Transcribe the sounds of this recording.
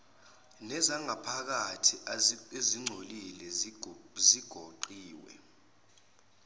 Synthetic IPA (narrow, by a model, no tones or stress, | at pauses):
nɛzaŋapʰak̬atʰieziŋ͡ǀʱolilɛ | ziɡ̥ʱoǃiːwɛ̰